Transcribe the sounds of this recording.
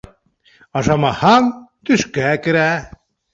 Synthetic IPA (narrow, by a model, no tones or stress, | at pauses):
ɑʒɑmɑhɑmt̪yʃkækɘ̆ɾæ